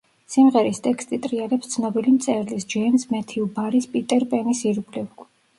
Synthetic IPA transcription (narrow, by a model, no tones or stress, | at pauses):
simʁɛɾist̪ʼɛkʰst̪ʼit̪ʼɾialɛpst̪sʰnɔbilimt̪sʼɛɾlisd͡ʒɛnsmɛt̪ʰiubaɾispʼit̪ʼɛɾpʼɛnisiɾɡlɛvɡ